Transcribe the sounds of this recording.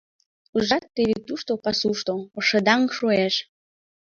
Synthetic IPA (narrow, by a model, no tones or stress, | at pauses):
uʒɑt̪ːeβit̪ːuʃt̪opɑsuʃt̪oəʃəd̪ɑŋʃoeʃ